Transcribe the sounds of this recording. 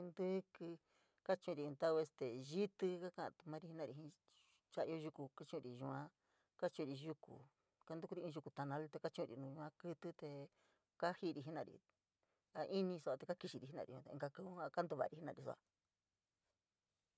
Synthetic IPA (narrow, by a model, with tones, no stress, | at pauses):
nd̪ɨ˦kɨ˧ | ka˦t͡ʃũ˧ɾĩ˧t̪a˦we˧st̪e˨ʒi˦t̪ɨ˧ka˦kã̰˦˧˨t̪u˧mã˦ɾi˧hi˧nã˧ɾi˧˨ĩ˧ | t͡ʃa˧˦˧o˦˧ʒu˧ku˧ka˦t͡ʃũ˦˧ɾi˨ʒu˧ã˧ | ka˦t͡ʃũ˧ɾi˧ʒu˧kṵ˨ | ka˧˦nd̪u˦ku˦ɾi˧ĩ˧ʒu˧ku˧t̪a˨˧nã˧lt̪e˧ka˦t͡ʃũ˦˧ɾḭ˧nũː˧ʒu˧ã˧kɨ˦t̪ɨ˦t̪e˧ | ka˦hi˦˧ɾi˧˨ɦi˦nã˧˨ɾḭ˧ | a˧ʔi˦nĩ˧so˧a˧t̪e˧ka˦ki˧ʃi˧ɾi˧˨i˧˦nã̰˧ɾḭ˧ũ˧t̪e˧ɡa˧ku˧u˦a˧ka˦nd̪u˧βa̰˧˨˧ɾi˧i˦nã˧i˧˨so̰˧a̰˧